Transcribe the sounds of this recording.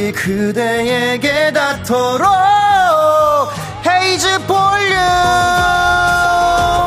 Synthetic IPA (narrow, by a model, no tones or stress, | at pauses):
ikɯdejeɡedatʰʌɾo | heid͡ʑɯpoʎːu